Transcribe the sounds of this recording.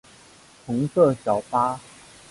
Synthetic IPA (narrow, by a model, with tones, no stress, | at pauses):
pʰu˧˦ŋsɤ˥˨ɕjɑ˨˩ʊpa˦